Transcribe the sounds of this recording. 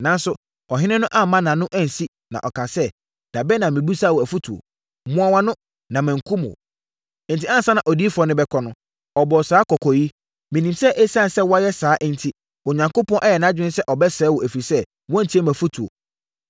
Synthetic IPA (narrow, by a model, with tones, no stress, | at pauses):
nã˨n˦sʊ˦ | ɔ˨ɦɪ̃˦nɪ̃˦nʊ̃˦ʔa˦mːã˦nã˨nʊ̃˦ʔæ˦˨n̩˨si˦ | nã̰˨ʔɔ˨kʰa˨sɛ˦ | d̥a˨bɛ˦nã˨mĩ˨bu˦saː˦wɔ˨æ˨fu˦tʰu˨o̰˨ | mʊ̃˦a˦wa˦nʊ̃˦ | nã˨mæ̃˨ŋ̩˨kʰũ˦m˨o̰˨˦ | n̩˨tʰi˦ã˦n˨sa˦nã˨ʔɔ˨di˦fɔ˨˦nɪ̃˦bɛ˦kʰɔ˦nʊ̃˦ | ɔ˨bɔ˨saː˦kɔ˨kʰɔ˨ji˦ | mɪ̃˨nĩ˨msɛ˦ʔe˦sã˦˨nsɛ˦wɔ˦a˦jɛ˦saː˨˦ʔn̩˨tʰi˦ | ʊ˨ɲã˨ŋko˦pʰɔ̃˦ʔɛ˦jɛ˨nã˦d͡ʑᶣɪ˦ɪ̃˦sɛ˦ʔɔ˨bɛ˦sɛː˨˦wɔ˨ʔæ˨fɾi˨sɛ˦ | wɔ̃˦n̩˨tʰi˦ɛ˦mæ̃˨fu˦tʰu˨o̰˨